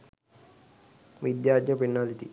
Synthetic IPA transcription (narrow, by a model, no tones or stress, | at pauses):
ʋid̪jaːdɲɐpinːalit̪i